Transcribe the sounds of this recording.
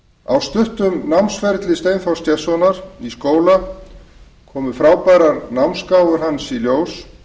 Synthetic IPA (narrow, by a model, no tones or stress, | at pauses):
awst̪ʏht̪ʏmnawmnsfɛɾt̪lɪst̪eːjnθɔwscɛsɔnaɾ̥iskoːwla | kʰɔːmʏfɾaːwpaɾaɾnawmskaːwvʏɾ̥ɦansiljoːws